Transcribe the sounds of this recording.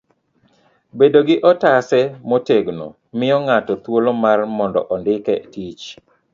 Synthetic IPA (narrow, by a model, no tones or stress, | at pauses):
bedoɡɪʔɔtasɛmoteɡno̰ | mɪjɔŋatɔt̪wolomarmɔndɔ̰ʔɔndɪkɛtit͡ʃ